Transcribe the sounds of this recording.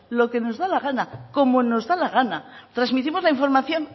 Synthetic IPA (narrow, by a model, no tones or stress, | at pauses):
lo̞ke̞no̞zðalaɣ̞anako̞mo̞no̞zðalaɣanat̪ɾazmit̪imo̞zlaiɱfo̞ɾmaθjo̞n